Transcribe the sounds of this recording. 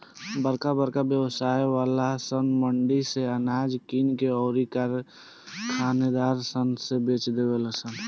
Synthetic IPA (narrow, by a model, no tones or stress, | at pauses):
bəɾkabəɾkabjəwsaːjwaːlasənməɳɖiseənaːd͡ʒkiːnkeɔːɾikaɾ | kʰaːned̪aːɾsənsebeːt͡ʃd̪eweləsən